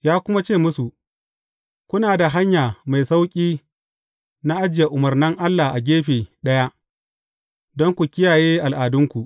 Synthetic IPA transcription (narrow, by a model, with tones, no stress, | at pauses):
jaː˦kʷʊ˦ma˦t͡ʃeː˦˨mʊ˦su˨ | kʷʊ˦naː˨da˨ɦa˦ɲjaː˨ma˨jsa˦wkʲʼiː˦ | na˦ʔa˦d͡ʒɪ˨ja˨ʔʊ˨mɐ˨rnɐ˦ŋʔa˦lːa˨ʔa˨ɡʲeː˦ɸeː˨ɗɐ˦ja˦ʔ | dɔ˦ŋkʷu˨kʲɪ˦jaː˨jeː˦ʔa˨lʔaː˨dʊ˦ŋkʷu˨ʔ